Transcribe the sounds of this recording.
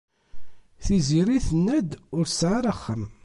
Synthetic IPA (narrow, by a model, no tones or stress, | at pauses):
θiziɾiθənːæd̪ʊɾsʕaɾˤəχːəm